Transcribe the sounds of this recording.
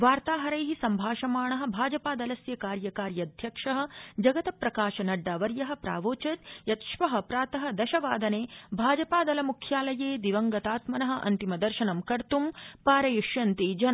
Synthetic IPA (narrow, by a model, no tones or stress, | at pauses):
ʋaːɾt̪aːɦɐɾɐjɦisɐmbʱaːʃɐmaːɳɐɦɐ̆bʱaːd͡ʒɐpaːd̪ɐlɐsjɐkaːɾjɐkaːɾjɐd̪ʱjɐkʂɐɦɐ̆d͡ʒɐɡɐt̪ɐpɾɐkaːʃɐnɐɖːaːʋɐɾjɐɦɐ̆pɾa̰ːʋoːt͡ʃɐt̪jɐt̪ʃʋɐɦɐpɾaːt̪ɐɦɐ̆d̪ɐʃɐʋaːd̪ɐneːbʱaːd͡ʒɐpaːd̪ɐlɐmukʰjaːlɐjeːd̪iʋɐŋɡɐt̪aːt̪mɐnɐɦɐ̆ʔɐ̰nt̪imɐd̪ɐɾʃɐnɐmkɐɾt̪umpaːɾɐjuʃjɐnt̪id͡ʒɐnɐ